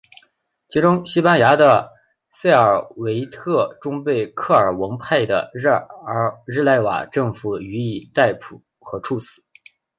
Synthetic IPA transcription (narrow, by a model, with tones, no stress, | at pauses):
t͡ɕʰi˧˥ʈ͡ʂʊ˥ŋɕi˥pa˥nja˧˥d̪ə˧ | se˥˩ɪə˞˨˩we˧˥ɪt̪ʰɤ˥˩ʈ͡ʂʊ˥ŋpe˥˩ɪkʰɤ˥˩ə˞˨˩wə˧˥ŋpʰa˥˩ɪd̪ə̰˩˧ | ɻɻ̩˥˧la˥˩ɪwa̰˨˩ʈ͡ʂɤ˥˩ŋfu˨˩y˧˥i˨˩t̪a˥˩ɪpʰu˨˩˦ | xɤ˧˥ʈ͡ʂʰu˥˩sɹ̩˨˩˦